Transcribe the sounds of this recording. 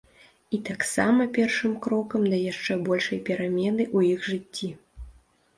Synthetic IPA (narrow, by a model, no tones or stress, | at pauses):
it̪aksa̰mɐpʲɛrʂɨmkɾɔkɐmd̪ɐjaʂt͡ʂɛbɔlʲʂɐjpʲɛɾamʲɛnɨʔujixʐɨt͡sʲːi